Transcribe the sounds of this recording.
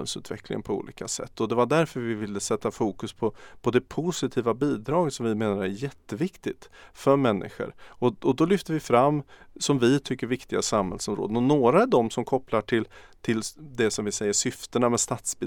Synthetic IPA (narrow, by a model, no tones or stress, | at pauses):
ɛ̰lsʉ̟ːt̪vɛ̰klɪ̰ŋənpʰɔṵːlḭːkasɛ̰t̪ːɔd̪ɛvaɖæɾfœɾvɪvɪlːəsɛt̪ːafuːkɵspʰɔpʰɔd̪ɛpʰʊsɪt̪ʰiːvabiːd̪ɾɑːɡət̪sɔmvɪmeːnaɾæɾjɛt̪ːəvɪkt̪ɪt̪fœɾmɛnːʔɪ̰ɧə̰ɾɔɔd̪ɔlʏft̪əɾvɪfɾamːsɔmvɪt̪ʰʏkːəɾvɪkt̪ɪɡasamhɛ̰lsɔmɾo̰ːd̪ənɔnoːɾaɛvd̪ɔmsɔmkʰɔpːlaʈʰɪlt̪ʰɪld̪ɛsɔmvɪsɛjːəʂʏft̪əɳamɛst̪at̪sbɪ